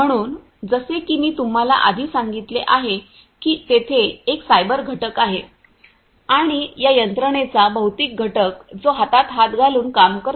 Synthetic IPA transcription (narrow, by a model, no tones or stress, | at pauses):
m̤əɽ̃uːn | d͡zəsekiːmiːt̪um̤ala̰ʔad̪ʱiːsaŋɡit̪leʔaɦe | kiːt̪et̪ʰeːksajbəɾɡʱəʈəkaɦe | aɽ̃ijajənt̪ɾəɳ̃et͡sabəwt̪iːk̚ɡʱəʈəkd͡zoɦat̪at̪ɦat̪ɡʱaluːnkamkəɾ